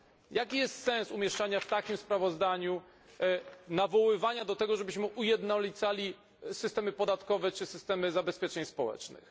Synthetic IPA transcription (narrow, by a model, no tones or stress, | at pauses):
jakʲijɛst̪sɛ̃nsumʲjɛʂt͡ʂaɲaft̪akʲimspɾavɔzd̪aɲu | navɔwɘvaɲad̪ɔt̪ɛɡɔʐɛbɘɕmɘʔujɛd̪nɔlʲit̪salʲi | sɘst̪ɛmɘpɔd̪at̪kɔvɛt͡ʂɘsɘst̪ɛmɘzabɛspʲjɛt͡ʂɛɲspɔwɛ̰t͡ʂnɘ̰x